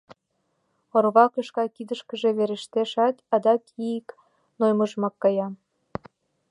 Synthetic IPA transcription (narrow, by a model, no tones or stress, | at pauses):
orβɑkɤʃkɑkid̪əʃkə̆ʒeβeɾeʃt̪eʃɑt̪ɑd̪ɑkʰiik | nojməʒmɑkːɑjɑ